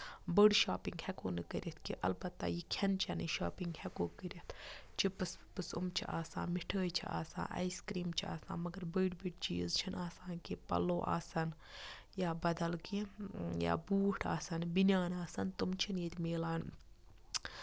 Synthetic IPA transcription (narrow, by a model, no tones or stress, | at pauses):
bəɖʃaːpiŋɡhɛkoːnɨkəɾʲit̪̚ʰkiʔɐ̰lbɐt̪ːa̰jikʰɐnt͡ʃʰɐniʃaːpiŋɡhɛkoːkəɾʲit̪ʰt͡ʃʰipɨspɨsumt͡ʃʰḭʔaːsã̰ːmiʈʰəːjt͡ʃʰḭa̰ːsa̰ːʔɐ̰jskɾiːmt͡ʃʰia̰ːsã̰ːnmɐɡɐɾbəːɖbiʈ̚t͡ʃḭːzt͡ʃʰinaːsãːnkipɐ̰loːʔa̰ːsɐn | jaːbɐd̪ɐlkija̰ːbuːʈʰaːsɐnbinʲjaːnaːsɐnt̪umt͡ʃʰinjet̪ʲmeːlaːn